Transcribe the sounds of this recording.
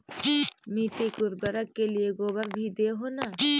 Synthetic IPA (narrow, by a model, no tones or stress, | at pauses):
miːt̪ikʊɾbəɾəkːelieɡoːbəɾbʱid̪eːɦoːnaː